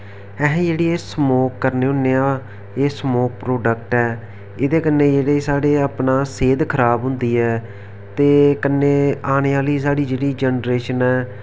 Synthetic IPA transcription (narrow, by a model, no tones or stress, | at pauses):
ɛːɦɛ̃ːd͡ʒeːɽiːeːsmoːkːəɾneːʊ̃neːãː | eːsmoːk̚pɾoːɖək̚ʈɛː | ɪd̪eːkənːeːd͡ʒeːɽeːsaːɽeːəpnaːseːd̪kʰəɾaːbɦʊ̃nd̪iːɛː | t̪eːkənːeːaːñeːaːliːs̬aːɽiːd͡ʒeːɽiːd͡ʒɛnɾeːʃənɛː